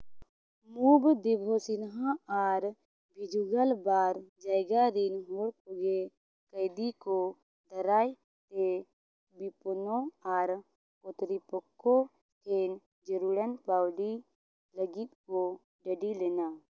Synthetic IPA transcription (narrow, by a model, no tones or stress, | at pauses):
muːbd̪ɪbʱosɪnɦãaːɾ | bʱɪd͡ʒuɡəlbaːɾd͡ʒaːɪɡaɾinɦoːɽkoɡe | kəɪd̪iko | d̪əɾaːj | t̪e | bipʊnõaːɾ | kot̪ɾipəkːo | tʰeːn | d͡ʒəɾuːɽənpaːwɽi | ləɡit̪ko | ɖəɖileːnaː